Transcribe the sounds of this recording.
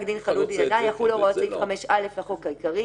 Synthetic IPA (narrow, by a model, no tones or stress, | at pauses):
ɡd̪inχalut̚binanajaχuloʁotivχameʃaleflaχutkajkaʁi